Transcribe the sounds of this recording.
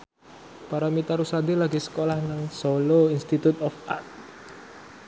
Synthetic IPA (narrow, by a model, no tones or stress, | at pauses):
paɾamit̪aɾusad̪ilaɡisə̥kolahnaŋsoloinst̪it̪ut̪ɔfa̰rt̪̚